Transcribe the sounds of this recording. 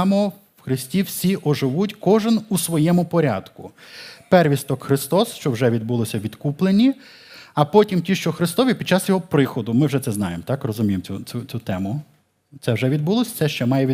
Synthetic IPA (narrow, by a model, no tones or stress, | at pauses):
mɔ | wxɾɪsʲtʲiwsʲiʔɔʒɪʋutʲkɔʒɪnusʋɔjɛmʊpɔɾʲa̰d̪̥kʊpɛrʋʲist̪ɔkxɾɪst̪ɔsʃt͡ʃɔwʒɛʋʲid̪̚bulˠɔsʲɐʋʲid̪kuplˠenʲːi | ɐpɔtʲimtʲiʃt͡ʃɔxɾɪst̪ɔʋʲipʲid̥̪̚t͡ʃːɑsjɔɦɔpɾɪxɔd̪ʊmɪwʒɛt̪ɛznɑ̰jemt̪ɑkrɔzʊmʲijemt͡sʲut͡sʲut͡sʲut̪ɛmʊ | t̪sɛwʒɛʋʲid̪̚bulˠɔsʲɐt̪sɛʃt͡ʃɛmɑjɛʋʲi